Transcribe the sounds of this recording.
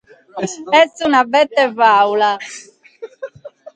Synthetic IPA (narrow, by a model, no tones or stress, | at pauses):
ɛsunabɛt̪ːɛvawla